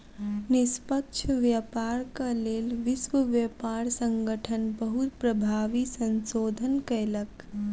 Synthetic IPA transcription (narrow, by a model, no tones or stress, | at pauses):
nispəkt͡ʃʰʋjəpaɾkəlelʋiswəʋjəpaɾsə̃ŋɡəʈʰənbəɦut̪pɾəbʱaʋisə̃nsod̪ʱənkəjlək